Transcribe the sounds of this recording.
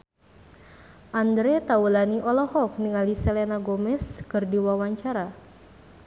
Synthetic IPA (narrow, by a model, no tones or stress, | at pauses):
ʔand̪ɾet̪aulaniʔɔlɔhɔk̚niŋalisɛlenaɡomɛskɨrdiwawaɲt͡ʃaɾa